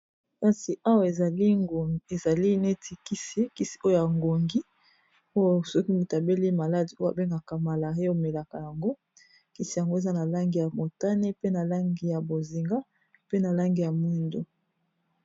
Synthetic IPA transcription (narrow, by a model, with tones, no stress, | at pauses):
ka˦si˨ʔa˦wa˨e˨a˨li˦˨e˨za˨li˦ne˦tʰi˨ki˦si˦ki˦si̥˨o˦jo˦ja˨ŋɡo˨ŋɡi˦ | o˦jo˨sɔ˦ki˦mu˨ta˨be˦li˦ma˨la˦di˨o˦a̰˨be˦ŋɡa˨ka˨ma˨la˨ʁe˦o˨me˨la˨ka˨ja˨ŋɡo˦ | ki˦si˨ja˨ŋɡo˦e˨za˦na˨la˦ŋɡi˨ja˨mo˨ta˦ne˦pe˦na˨la˦ŋɡi˨ja˨bo˨zi˨ŋɡa˦ | pe˦na˨la˦ŋɡi˨ja˨m˦i˦ndo˦